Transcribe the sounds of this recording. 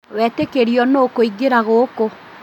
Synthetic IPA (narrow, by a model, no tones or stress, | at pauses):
wɛtekeɾiɔnokoiɡeɾaɣoko